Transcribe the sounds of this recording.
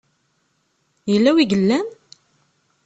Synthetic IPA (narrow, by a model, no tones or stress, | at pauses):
jəlːæwiɡəlːæn